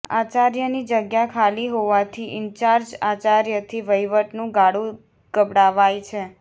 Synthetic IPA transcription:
a̰t͡ʃaɾjənid͡ʒəɡjakʰaliɦoʋat̪ʰiʔɪnt͡ʃaɾd͡ʒat͡ʃaɾjət̪ʰiʋəjʋəʈnũɡaɽũ | ɡ̥əbɽaʋajt͡ʃʰe

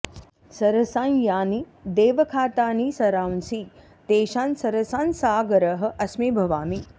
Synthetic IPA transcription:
sɐɾɐsãːnjaːni | d̪eːʋɐkʰaːt̪aːniːsɐɾaːwnsiː | t̪eːʃaːnsɐɾɐsaːnsaːɡɐɾɐɦɐ̆ʔɐsmiːbʱɐʋaːmi

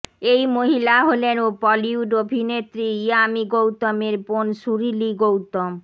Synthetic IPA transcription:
ejmoɦilaɦolenopɔliuɖobʱinet̪ɾiiamiɡowt̪omeɾponʃuɾiliɡowt̪om

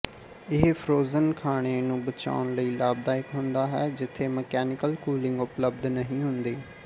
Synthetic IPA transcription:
ɪɦpʰɾoːzənkʰaːɽ̃eːnũːbət͡ʃa̰ːʊɳləiːlaːb̚d̪aːɪkɦʊnd̪aːɦɛːd͡ʒɪt̪ʰːeːməkɛːnɪkəlkuːlɪ̃ŋɡʊpləb̚d̪nəɦĩːɦʊnd̪eː

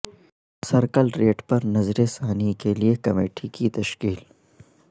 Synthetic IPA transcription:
sɐɾkəlɾeːʈpɐɾnɐzɾesaːnikeliekɐmeːʈʰikit̪ɐʃkiːl

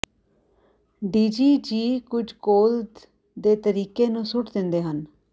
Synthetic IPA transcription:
ɖiːd͡ʒiːd͡ʒiːkʊd͡ʒkoːld̪ | d̪eːt̪əɾiːkeːnũːsʊʈd̪ɪnd̪eːɦən

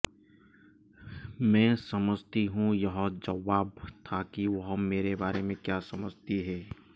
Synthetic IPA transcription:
mɛ̃ːsɐməd͡ʒʱt̪iɦũjɐɦd͡ʒɐʋaːbt̪ʰakiʋɐɦmeːɾebaːɾemẽkjaːsɐməd͡ʒʱt̪iɦɛː

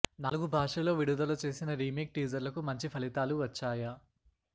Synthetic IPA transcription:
nɐluɡubʱaːʂɐlo̞ːʋiɽud̪ɐlɐt͡ʃe̞ːsinɐɾiːmeːk̚ʈiːd͡ʒɐɾlɐkumɐɲt͡ʃipʰɐlit̪aːluʋɐt͡ʃːaːjɐ

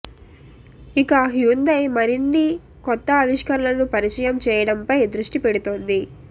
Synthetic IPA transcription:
ikɐɦjuːnd̪ɐjmɐɾinːi | kɔt̪ːɐːʋiʂkɐɾɐlɐnupɐɾit͡ʃɐjɐmt͡ʃɛːjɐɽɐmpɐjd̪ɾuʂʈipeɽut̪oːnd̪i

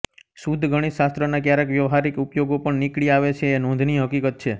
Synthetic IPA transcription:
sud̪ʱɡʱəɽ̃iʃast̪ɾənakjaɾekʋjəʋɦaɾikupjoɡopəɳnikɭiaʋet͡ʃʰeːnõnd̪ʱniɦəkikət̪̚t͡ʃʰe

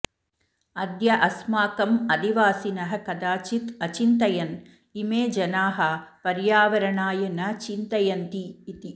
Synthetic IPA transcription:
ɐd̪jɐʔɐsmaːkɐmɐd̪iʋaːsinɐɦɐkɐd̪aːt͡ʃit̪ɐt͡ʃint̪ɐjɐn | imeːd͡ʒɐnaːɦɐpɐɾjaːʋɐɾɐɳaːjɐnɐt͡ʃint̪ɐjɐnt̪iːt̪i

